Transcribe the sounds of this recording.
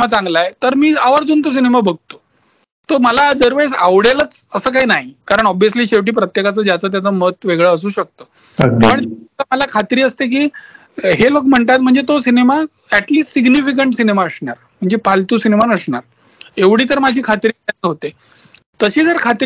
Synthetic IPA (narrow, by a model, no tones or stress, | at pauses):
mat͡sãŋɡlajet̪əɾmiːaʋəɾd͡zuːnt̪os̬inemabəɡ̚ʱt̪o̥ | t̪oməlad̪əɾʋesa̰ʋɽjelət͡səsəːkaɦiːnaɦikaɾəɳɔbʋijəsliːɕefʈ̬iːpɾət̪jekat͡səːd͡ʑjat͡səːt̪jat͡səmət̪ʋeɡɭəəs̬uːɕək̚t̪ə | pəɳt̪əməlakʰat̪ɾiːəst̪ek̬iː | ɦelokm̤əɳt̪at̪m̤əɳd͡zet̪osinema | æʈliːsʈsiɡnifik̬əɳʈsinemaəsɳaɾm̤əɳd͡zepalt̪uːsinemanəsɳaɾ | eʋɽiːt̪əɾmad͡ʑʱiːkʰat̪ɾiaeɦot̪e | t̪əɕiːd͡zəɾkʰat̪